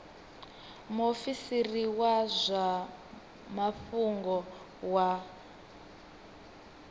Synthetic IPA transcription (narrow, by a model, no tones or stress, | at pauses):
mofisiriwazʷa | mafuŋɡɔ | wa